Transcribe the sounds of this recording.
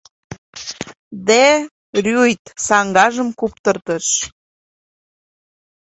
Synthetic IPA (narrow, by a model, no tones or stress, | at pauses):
d̪e | rʲujt̪sɑŋɡɑʒəmkupt̪ərt̪əʃ